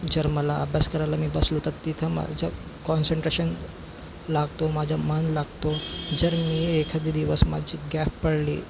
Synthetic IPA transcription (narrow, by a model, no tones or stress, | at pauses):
d͡zəɾməlaəbʱjaskəɾajlamiːbəslot̪at̪ːit̪ʰəma̰d͡ʑʱa | kɔnseɳʈɾeɕən | laɡt̪omad͡ʑʱamənlaɡt̪od͡zəɾmiːekʰad̪iːd̪iʋəsma̰d͡ʑiːɡafpəɽliː